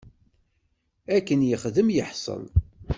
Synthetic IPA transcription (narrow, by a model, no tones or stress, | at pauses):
ækːənjəχðəmjəħsˤə̰n